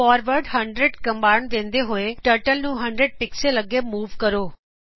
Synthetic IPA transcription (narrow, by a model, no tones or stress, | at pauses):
ɔːɾʋəɾɖɦɐ̃ɳɖɾeɖkɐ̃mbaːɪɳd̪ẽːnd̪eɦʊeʈəɾʈəlnũːɦɐ̃ɳɖɾeɖ̚pɪkselɐɡemuːʋkɐɾoː